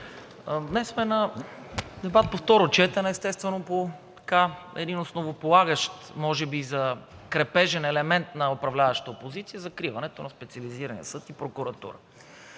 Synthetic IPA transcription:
d̪nɛsmɛnɐ | d̪ɛbat̪̚poft̪ɔɾot͡ʃɛt̪ɐnɛɛst̪ɛst̪vɛnopot̪ɐ̥kaɛ̰d̪inosnovopolˠaɡəʃt̪mɔʒɛbizɐkɾɛpɛʒɛnɛlɛmɛnt̪nɐopɾɐvlʲavɐʃt̪əopozit̪sijəzɐkɾivɐnɛt̪onɐspɛt̪siɐliziɾɐnḭjə̰sɤt̪ipɾokʊɾɐt̪ṵɾə̰

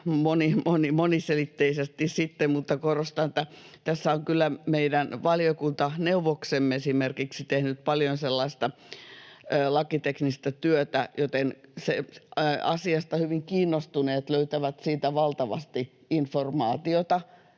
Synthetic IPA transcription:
monimonimoniselit̪ːeisest̪issit̪ːemmut̪ːɑkorost̪ɑnĕt̪ːæt̪æsːæoŋkylːˑæmeidænʋɑliokunt̪ɑneuʋoksemːeesimerkiksit̪ehnyt̪̚pɑljonselːɑist̪ɑ | lɑkit̪eknist̪ɑt̪yøt̪æjot̪ense | ɑ̰siɑst̪ɑhyʋiŋkiːnːost̪uneːt̪løyt̪æʋæt̪siːt̪æʋɑlt̪ɑʋɑ̰st̪i | informɑːt̪iot̪ɑ

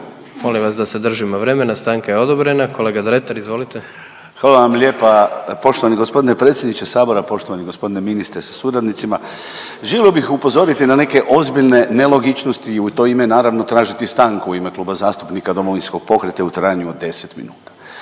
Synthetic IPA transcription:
mo̞limʋasd̪ased̪r̩ʒimoʋɾe̞ːmenast̪aːŋkajeo̞d̪obɾe̞nakʰo̞le̞ɡad̪ɾe̞t̪aɾizʋo̞ːlit̪e | xʋaːlaʋamlʲe̞ːpapo̞ʃt̪oʋaniɡo̞spo̞d̪inepɾe̞t̪sʲjed̪nit͡ʃesaːbo̞ɾapo̞ʃt̪oaniɡo̞spo̞d̪ineminist̪ɾesḁsuɾad̪nit̪sima | ʒelʲliobixupo̞zo̞ɾit̪inane̞ke̞ʔo̞zbiʎne̞ne̞lˠo̞ɡit͡ʃno̞st̪iːut̪o̞imenaːɾaʋno̞t̪ɾaːʒit̪ist̪aːŋkuuime̞kluːbazaːst̪u̥pnikad̪o̞mo̞ʋinsko̞ɡ̥̚po̞kɾet̪eut̪ɾaːjɲuod̪ːe̞set̪mḭnuːt̪ḁ

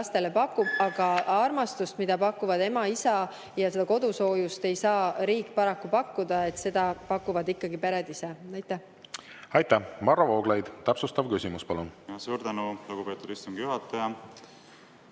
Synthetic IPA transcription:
st̪e̞le̞pɑkːubɑɡ̥ɑɑrmɑst̪ust̪mid̪̥ɑpɑkːuvɑd̪e̞mɑisɑ | jɑse̞d̪̥ɑko̞d̪uso̞ːjust̪e̞jsɑːɾiːkːˑpɑɾɑkːupɑkːud̪̥ɑe̞t̪se̞d̪̥ɑpɑkːuvɑd̪ikːɑɡipeɾed̪iseɑjt̪ːˑæh | ɑjt̪ːæhmɑrːɑvo̞ːɡ̥lejd̪̥t̪æpsust̪ɑvkysʲimuspɑlunjɑsuːɾt̪ænuluɡ̥upe̞ːt̪ːˑud̪ist̪uŋɡ̥ijuɦɑt̪ːˑɑjɑ

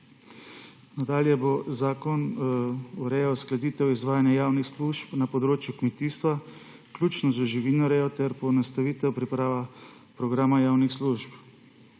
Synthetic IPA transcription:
nad̪aːljɛbozaːkɔn | uɾɛjɔwsklɛd̪it̪ɛwizʋaːjanjajaːwnixsluʃpnapɔd̪ɾoːt͡ʃjukmɛt̪iːst̪ʋa | kljuːt͡ʃnɔzaʒiʋinɔɾɛjɔt̪ɛɾpɔnast̪aʋiːt̪ɛwpɾipɾaːʋa | pɾɔɡɾaːmajaːwnixsluʃp

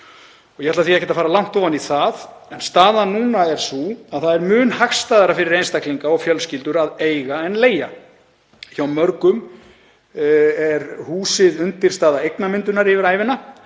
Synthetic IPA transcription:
ɔɣjɛhat̪laθiɛhcɛt̪afaːɾalawn̥t̪oːvaniθað | ɛnst̪aːðanuːnaɛɾ̥suaðθaðɛɾmʏːnhaxst̪aːðaɾafɪɾɪɾejnst̪akʰliŋkaɔɣfjœlscɪlt̪ʏɾaðeːjɣaɛnleːja | çawmœɾkʏm | ɛɾhuːsɪðʏnt̪ɪɾ̥st̪aːðaejknamɪnt̪ʏnaɾɪvɪɾaːjvɪnːa

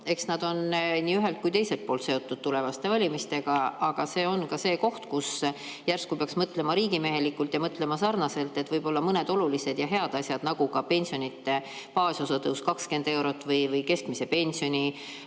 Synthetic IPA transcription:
e̞ksnɑd̪̥o̞nniːyɦe̞lt̪̚kujt̪e̞jse̞lt̪̚poːlt̪se̞o̞t̪ːˑud̪̥t̪ule̞vɑst̪e̞vɑlʲimist̪e̞ɡ̥ɑɑɡ̥ɑse̞ːo̞nkɑse̞ːko̞ht̪kus | jærskupe̞ɑksmɤt̪le̞mɑɾiːɡime̞ɦe̞likːˑult̪jɑmɤt̪ˑle̞mɑsɑrnɑse̞lt̪ːˑe̞t̪ːˑvɤjb̥o̞lːɑmɤne̞d̪o̞lulise̞d̪̥jɑɦe̞ɑd̪̥ɑsʲjɑd̪̥nɑɡ̥ukɑpe̞nʲsio̞nit̪ːˑe̞ | pɑːsosɑt̪ɤwskɑkske̞nd̪̥e̞wɾo̞t̪ːˑvɤjvɤjke̞skmise̞pe̞nʲsio̞nʲi

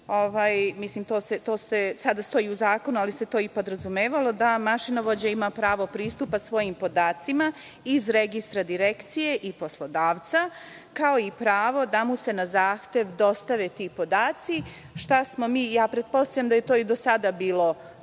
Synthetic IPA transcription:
o̞ʋaːjmislimt̪oːset̪o̞ːsesad̪ast̪o̞jiuzaːko̞nualiset̪o̞ipo̞d̪ɾazumeːʋalo̞d̪amaʃinaʋo̞d͡ʑaimapɾaːʋo̞pɾiːst̪upasʋo̞jimpo̞d̪aːt̪sima | izɾeɡist̪ɾad̪iɾekt̪sije̞ʔipo̞slˠo̞d̪aːʋt̪sa | kao̞ipɾaːʋo̞d̪amuse̞nazaːxt̪e̞ʋd̪o̞st̪aʋet̪ipo̞d̪aːt̪siʃt̪asmo̞miːjaːpɾed̪̚po̞st̪ajamd̪aje̞t̪oid̪o̞sad̪abiːlˠo̞

